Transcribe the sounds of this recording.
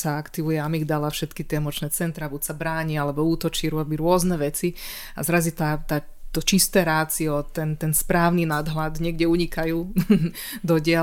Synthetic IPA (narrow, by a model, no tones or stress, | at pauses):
saakt̪iʋujɛamiɣd̪alafʃɛt̪kit̪ɪɛmɔt͡ʃnɛt͡sɛnt̪ɾabucsabɾaːɲialɛbɔuːt̪ɔt͡ʃiːɾʊɔbiɾʊɔznɛʋɛt͡si | a̰zɾazit̪at̪aː | t̪ɔt͡ʃist̪ɛɾaːt͡siɔt̪ɛnt̪ɛnspɾaːʊninad̪ɦlad̪ɲɪɛɡɟɛuɲikajuː | d̪ɔɟɪa